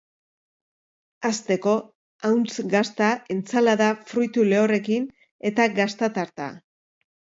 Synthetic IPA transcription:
ast̪e̞ko̞ | awnt͡sɡast̪ae̞nt͡salaðafɾujt̪ule̞ore̞kin | e̞t̪aɡast̪at̪aɾt̪a̰

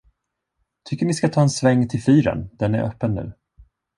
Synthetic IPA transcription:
t̪ʰʏkːəɳɪskat̪ʰɑːɛnsvɛŋːt̪ʰɪlfyːɾə̰nd̪̥ɛnæ̰ɾʔœ̰pːənːʉ̟̰ː

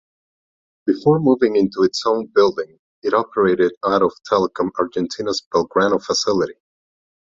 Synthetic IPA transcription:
b̥ɨfɔɹmuvɪ̃ŋɪ̃ntuɨtsõʊ̃nbɪlˠdɪ̃ŋ | ɨɾɑpʰə˞eɪɾɨɾaʊɾɔv̥tʰɛlˠəkʰə̃maɹd͡ʒɛ̃ntʰĩnəzbɛlˠɡɹãnofəsɪlˠɨɾi

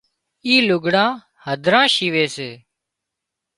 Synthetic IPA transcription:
iːlʊɡʱɽãː | həd̪ʱɾãːʃiːʋeːseː

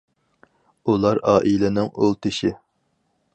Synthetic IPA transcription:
ulˠɑɾɑːʔilɪnɪŋolˠt̪ʰɨʃi

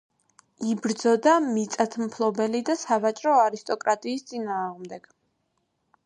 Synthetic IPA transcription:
ibɾd̪zɔd̪amit̪sʼat̪ʰmpʰlˠɔbɛlid̪asavat͡ʃʼɾɔaɾist̪ʼɔkʼɾat̪ʼiːst̪sʼinaːʁmd̪ɛɡ̥

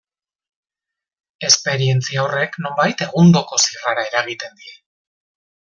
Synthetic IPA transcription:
e̞spe̞ɾie̞nt͡siaore̞kno̞mbajt̪e̞ɣund̪o̞ko̞siraɾae̞ɾaɣ̞it̪e̞nd̪ie

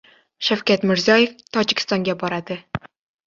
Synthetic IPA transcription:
ʃawkʲat̪mɪɾzʲiɒjeft̪ʰɒd͡ʒɪkʲɪ̥st̪ɒŋɡʲabɒɾad̪ɪ

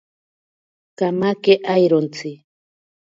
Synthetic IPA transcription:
kamakeʔajɾont͡sɪ

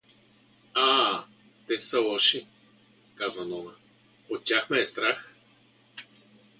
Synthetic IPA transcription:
a | t̪ɛsɐlˠɔʃi | kazənɔnə | ot̪̚tʲaxmɛːst̪ɾax

